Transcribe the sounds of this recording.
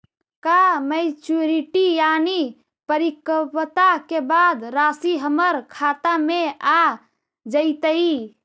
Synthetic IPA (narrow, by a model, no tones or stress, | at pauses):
kamɛɪt͡ʃuɾiʈijaːni | pəɾikəpət̪akebad̪ɾaːsiɦəməɾkʰaːt̪amẽa | d͡ʒəɪt̪əi